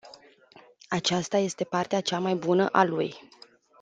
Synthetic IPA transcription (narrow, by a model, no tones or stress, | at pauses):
at͡ʃast̪aje̞st̪e̞part̪eat͡ʃamajbunə̰ʔaluj